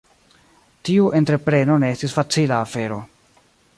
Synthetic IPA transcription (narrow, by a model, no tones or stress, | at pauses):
tiuʔe̞ntɾe̞pɾe̞no̞ne̞estisfat͡silaːfe̞ɾo̞